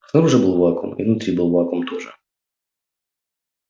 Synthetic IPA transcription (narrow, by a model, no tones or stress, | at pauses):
snɐɾuʐɛbɨlˠvˠakɔ̰mḭvnut̪ɾʲibɨlˠvˠakɔmt̪oʐɨ̰